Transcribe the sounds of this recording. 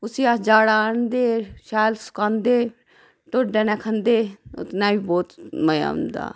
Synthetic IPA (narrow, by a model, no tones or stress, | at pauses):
ʊsiaːd͡ʒaːɽaːnd̪eːʃaːlsʊ̥kãːnd̪eː | ʈ̪ʊɖɛnɛ̃ːkʰənd̪eːʊ̰t̪nãːiːboːt̪məja̰ːʊ̰nd̪a̰ː